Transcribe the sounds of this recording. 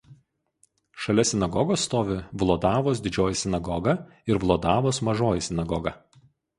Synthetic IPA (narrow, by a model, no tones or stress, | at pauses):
ʃɐlʲɛsʲɪnɐɡɔɡoːsːt̪oːʋʲɪʋlˠɔːd̪ɑːʋoːs̬d̪ʲɪd͡ʒʲoːjɪsʲɪnɐɡɔɡɐ | ɪɾʋlˠoːd̪ɑːʋoːsmɐʒoːjɪsʲɪnɐɡɔɡɐ